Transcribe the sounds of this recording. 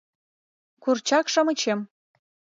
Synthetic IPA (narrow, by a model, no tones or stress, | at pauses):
kurt͡ɕɑkʃɑ̆mə̆t͡ɕem